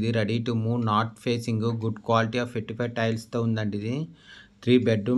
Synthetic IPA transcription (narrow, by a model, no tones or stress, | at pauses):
d̪iɾeɖiʈumuːnaːʈpʰeːsiŋɡuɡuɖkʋaːliʈiaːfeʈːipɐjʈɐjlst̪oːund̪ɐɳɖid̪it̪ʰɾiːbeɖɾu